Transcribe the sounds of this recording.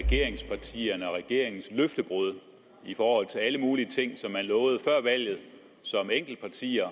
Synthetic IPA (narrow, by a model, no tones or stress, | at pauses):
ɛɡ̥e̝ɐ̰eŋspʰɑ̈t͡sʰḭːɐnəɒʁɛɡ̥e̝ɐ̰eŋn̩sløfd̥əb̥ʁuð̞ˠ | ifɒːhɒ̽l̰t͡sʰe̝læləmuːliət͡sʰe̝ŋ̰sɒ̽mːænlɔːʊð̞̩ˠəfɶɐ̰ʋæl̰ð̞̩ˠ | sɒ̽meŋ̰ɡ̥l̩d̥̚pʰɑ̈t͡sʰḭːɐ